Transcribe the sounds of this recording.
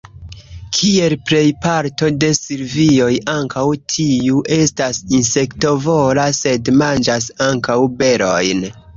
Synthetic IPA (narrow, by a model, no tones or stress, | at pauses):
kʰie̞lpɾe̞jpaɾto̞de̞siɾvio̞jaŋkʰawtʰiuʔe̞stasinse̞kto̞vo̞lase̞dmand͡ʒasaŋkawbe̞ɾo̞̰jn